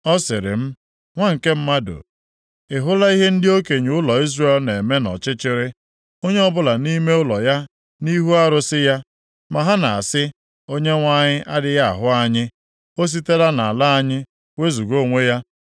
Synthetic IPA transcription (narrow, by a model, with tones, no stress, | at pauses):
ɔ˦sɪ˨ɾɪ̰˨m̩˦ | ŋʷa˦ŋ̩˨ke˦m̩˦ma˦do̰˨ | ɪ˨ɦʊ˦la˦i˦ɦe˦n̩˦dɪ˦o˦ke˨ɲu˨ʊ˦lɔ˨i˦zre˦lne˨me˦nɔ̰˨t͡ʃɪ˦t͡ʃɪ˦ɾɪ˦ | o˦ɲe˦ɔ˦bʊ˦la˨ni˦me˦ʊ˦lɔ˨ja˦ | ni˦ɦu˦a˦ɾʊ˨sɪ˦ja˦ | ma˨ɦa˦na˨a˨sɪ˦ | o˦ɲe˦ŋʷa˦ɲɪ˦ʔa˦dɪ˦ja˦a̰˨ɦʊ˦a˦ɲɪ˦ | o˦s̬i˦te˦la˦na˨a˨la˦a˦ɲɪ˦ | we˦zu˨ɡo˦˨ŋʷe˦ja˦